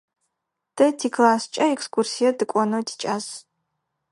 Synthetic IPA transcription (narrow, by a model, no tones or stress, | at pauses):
d̥ɐtʰiklaːst͡ʃʼɐɛkskʰursijɐdɨkʷʼɔnodʰi̥t͡ʃʼaːs